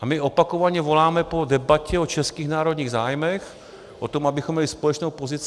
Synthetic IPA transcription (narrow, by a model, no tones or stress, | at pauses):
ʔamɪʔopakovaɲɛvo̞laːmɛpo̞dɛbacɛot͡ʃɛskiːɣnaːɾo̞dɲiːɣzaːjmɛx | ʔot̪omabɪxomːɲɛlɪspolɛt͡ʃnowpozɪt͡s